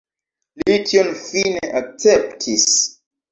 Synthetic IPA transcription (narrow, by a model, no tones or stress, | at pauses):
litʰionfineʔak̚t͡septʰis